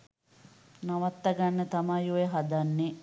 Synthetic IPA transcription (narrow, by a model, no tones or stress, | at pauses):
nɐʋɐt̪ːɐɡɐnːət̪ɐmajuʋeɦɐd̪ɐnːe